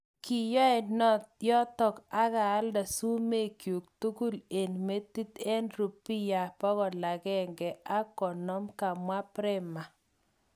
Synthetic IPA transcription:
ki˨jɔ˦ɛ˨nɔ˦tjɔ˦t̪ɔ˨ka˦ɡaː˨˦lda˨su˦me˦˨kju˨k̚t̪u˦ɡu˦le˨nme˦t̪i˦t̪ɛ˦nɾu˨pi˦ja˨pɔ˦ɡɔ˨la˨ɡɛ˦ŋɡɛ˨a˦kɔ˨nɔ˦mka˨mwa˦pɾɛ˦ma˨

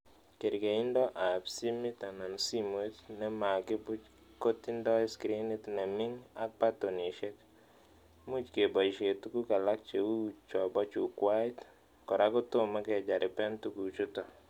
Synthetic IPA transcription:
ke˨ɾɡe˨i˦ndɔ˦ʔa˨psi˦mɪ˦t̪a˨na˨nsi˦mo˦tnɛ˦ma˨ɡɪ˦bʊ˦t͡ʃ | ko˦ti˦ndɔ˦ɛ˦skɾi˦ni˦tnɛ˨mɪ˦ŋa˦pa˦to˨ni˨ʃɛ˦k | mu˦t͡ʃke˨bɔ˨ʃe˨tu˦ku˦ka˨la˦k̚t͡ʃe˨u˦t͡ʃɔ˨bɔ˦t͡ʃu˨kwa˦ɪ˦t | kɔ˨ɾa˦ɡɔ˦tʊ˦ma˦ɡɛ˦˨d͡ʒa˨ɾɪ˨pɛ˦ntu˦ɡu˨t͡ʃu˦tɔ˨

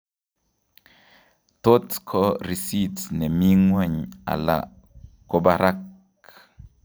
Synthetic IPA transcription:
to˦tkʰɔ˦ɾi˨si˦tnɛ˨mi˦ŋwa˦ɲa̰˨la̰˨ | ko˨ba˨ɾa˦k

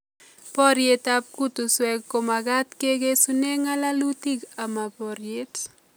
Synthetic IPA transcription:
pɔ˦ɾje˨tap̚ku˦t̪u˨swɛkko˨maɡa˦t̪ke˦ɡe˦sune˦ŋa˦la˦lu˦ti˦ɡa˨ma˨pɔɾje˦t

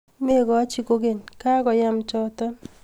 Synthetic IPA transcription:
me˦˨ɡɔ˨˦t͡ʃi˨ko˦ɡe˨nka˦kɔ˨ja˦mt͡ʃɔ˦tɔ˦n

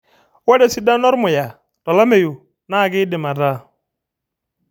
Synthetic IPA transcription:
wɛ˦da˨si˦da˦nɔ˦ɾmʊ˨ja˨ | tɔ˨la˦me˨ju˨ | na˦˨ɡɪ˦dɪ˨ma˨ɾa˦

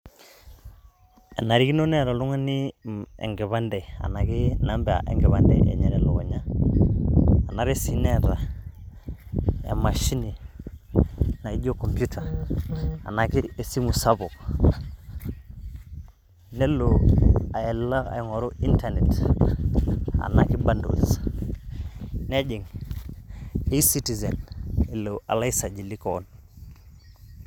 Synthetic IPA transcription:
a˨na˨ɾi˦ki˦no˦ne˦ɾa˨lu˦ŋa˦ni˦ḛ˨ŋɡe˨βa˦nde˨a̰˨na˨ki˦na˦mbe˨a̰˨ʔḛ˨ŋɡɛ˨βa˦ndḛ˨ḛ˨ɲe˦ne˨lo˨ɡo˨ɲa˦˨ | na˨ɾe˦si˦ne˦ɾa˨ | a̰˨ma˨ʃi˦ni˨ | na˨i˦ɟo˦ko˨mpu˦tʰa˨ | a̰˨na˨ki˦e˨si˦mu˨sa˦bo˨k | ne˦lo˨a˨e˨lːa˦ka̰˨i˨ŋo˨ɾu˦i˦ntane˨t | a̰˨na˨ki˦bando̰˨s | ne˦d͡ʒi˨ŋ | i˦si˦ti˨ze˨ne˨loʔa̰˨la˦i˦sa˨d͡ʒi˨li˦kon

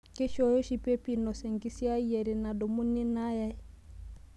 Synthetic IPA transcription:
ke˦ʃɔ˨jɔ˦ʃi˦˨pe˦pi˦˨nɔ˨sɛ˨ŋɡi˦si˦a˦i˦jɛ˨ɾi˨na˨dɔ˨mu˦ni˦na˦ja˦

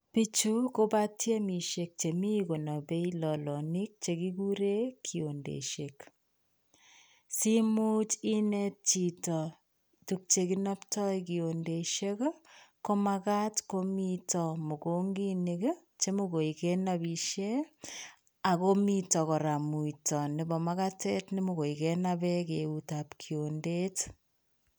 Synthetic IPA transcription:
pi˦t͡ʃu˦ko˦ba˦tje˦mi˨ʃe˨k̚t͡ʃe˨mi˦ko˨na˨be˦ilɔ˨lɔ˨ni˦k̚t͡ʃe˨ki˦ku˦ɾe˦kʰi˨o˨ndḛ˨ʃe˨k | si˦mu˦t͡ʃi˦nɛ˦t̚t͡ʃi˨tɔ˨ | tu˨k̚t͡ʃe˨kina˦ptɔ˦jki˨o˨nde˨ʃe˦kko˦makatko˦mitɔmo˨ko˦ŋɡi˦niɡ | t͡ʃe˦moko˨ikɛnabiʃe˦ | a˨ko˦mitɔ˨kɔ˨ɾamu˨itɔ˨nɪ˨bɔ˨maɣatɛ˦tnɪ˦moɣo˨ikɛnabɛkeutapkʰionde˦t

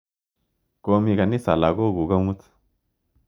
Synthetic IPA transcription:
koː˦mi˨ka˨ni˦sa˨la˨ɡo˦˨ɡu˨ɡɐ˦mu˦t̪

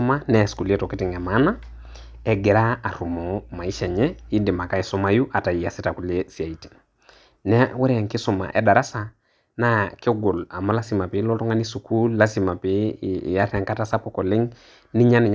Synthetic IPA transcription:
ma˦nɛ˦˨sku˨le˦tɔ˨kɪ˦tɪ˨ŋɛ˨ma˦na˦ | ɛ˦ɡɛ˨ɾa˦a˨ɾu˨mɔ˨ma˨i˦ʃɛ˨ɲɛ˦i˦dɪ˨ma˨ka˦i˦sɔ˦ma˦ju˦ʔa˨ta˨i˨a˨si˦ta˨ku˦le˦si˨a˨i˨te̥˨ | nɛ˦wɛ˦ɾɛ˦˨ŋkɪ˦sɔ˨ma̰˨ʔɛ˨da˨ɾa˦sa˨ | na˦kɪ˦ɡo˨la˨ma˦la˦si˨ma˨pɪ˨˦lɔ˦tɔ˦ŋa˦ni˦su˨ku˦lla˦si˨ma˨pḭ˦˨ja˦ɾa˨ŋka˦ta˦sa˦pɔ˦kɔ˨lɪ˦ŋ | nɪ˦ɲa˦nɪ˨ɲ

